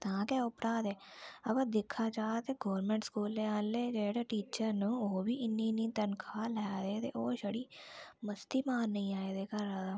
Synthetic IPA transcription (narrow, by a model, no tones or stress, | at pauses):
t̪ãːkaːʊpɾaːd̪ɛː | ɐbad̪ɪkʰːaːt͡ʃaːt̪eɡoːɾmẽːɳʈskuːlːeaːleːd͡ʒeːɽeːʈiːt͡ʃəɾnũoːbiːɪnːinĩːt̪ənkʰaːlɛːd̪eːt̪ḛʔoːʃəɽiːməst̪iːmaːnːəĩːaːed̪eːkəɾaːd̪aː